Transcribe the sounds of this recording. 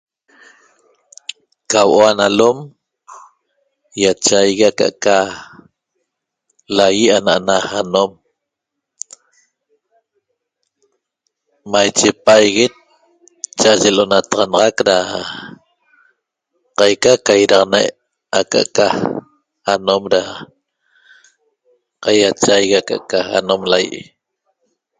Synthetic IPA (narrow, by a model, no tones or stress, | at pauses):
kawʔoanalom | jat͡ʃajɣiaka̰ʔka | lajianaʔanahanom | majt͡ʃepaajɣet̪̚ | t͡ʃaʒelonat̪ɑʁɑnɑʁɑkɾa | qɑjkakajɾɑʁnajʔ | aka̰ʔka | anomɾa | qajat͡ʃajɣaka̰ʔkaa̰nomlajḭʔi